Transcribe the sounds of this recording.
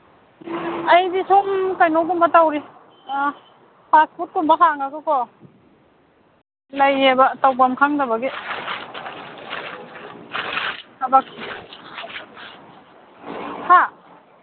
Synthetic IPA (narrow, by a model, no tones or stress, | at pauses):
ajdisomkajnɔwdumbatawɾi | pʰaspʰut̚ːumbakʰaŋaɡɯkɔ | lajebatawpamkʰaŋdabaɡi | abak̚si | ha